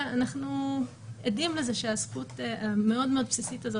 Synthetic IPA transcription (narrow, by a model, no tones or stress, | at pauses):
anaχnu | edimlezeʃeaskutameo̞dme̞o̞d̪psisitazo